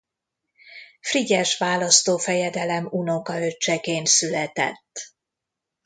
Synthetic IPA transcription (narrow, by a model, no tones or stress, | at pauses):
friɟɛʃʋaːlɒst̪oːfɛjɛd̪ɛlɛmuno̞kɒøt͡ʃːɛkeːnt̪sylɛt̪ɛ̰t̪ː